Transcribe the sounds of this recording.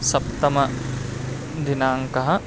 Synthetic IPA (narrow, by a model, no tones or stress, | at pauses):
sɐpt̪ɐmɐ | d̪ʱinaːŋkɐɦɐ